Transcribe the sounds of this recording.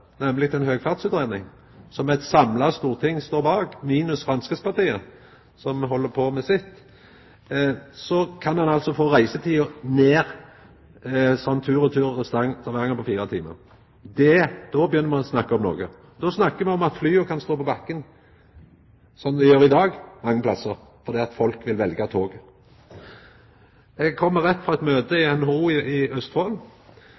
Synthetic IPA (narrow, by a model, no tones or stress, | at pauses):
nɛmlɪt̪ɛnɦøːɡfɑʁd̪sʉt̪ɾeːd̪nɪŋ | sɔmɛɪt̪sɑmlɑst̪uːʁt̪ʰɪŋːst̪oːbɑːɡmiːnəsfʁɑnskəspɑʁt̪iːə | sɔmɦɔlːəpʰoːmɛsɪt̪ː | sɔkʰɑnɑnɑlt̪sɔfoːʁæɪsət̪ʰiːʊneːʁ | sɔnt̪ʰʉːʁɔt̪ʰʉːɾst̪ɑŋt̪ʰɑʋɛʁŋːəpʰɔfiːʁət̪ʰḭːmə̰ʁ | d̪ɛd̪̥ɔbəjʏnːəɾmɛɔsnɑkːəɔmno̰ːɡə | d̪ɔsnɑkːəmɛɔmɑt̪flyːəkʰɑnst̪oːpɔbɑkːən | sɔnd̪ɛjøːɾɪd̪ɑːɡmɑŋːəplɑsəɾ | fɔɾd̪iːɑt̪fɔlkʋɪlʋɛlɡɑt̪ʰoːɡ | ɛɡkʰɔmːəʁɛt̪ːfɾʁɑːɛt̪møːt̪əɪɛnhuːɪɪœst̪hol